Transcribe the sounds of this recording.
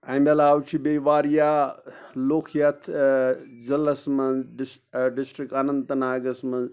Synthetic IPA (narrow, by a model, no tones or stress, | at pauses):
ɐmɐlaːwt͡ʃʰibeʋaːɾja | loːkʰjɐt̪ʰ | d͡ʒɐlɐsmɐnɖi | ɖisʈɾikanɐnd̪t̪ɐnaːɡɐsmɐnz